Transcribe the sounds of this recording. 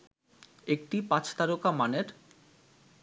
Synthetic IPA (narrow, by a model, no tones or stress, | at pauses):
ek̚ʈipãt͡ɕʰt̪aɾokamaneɾ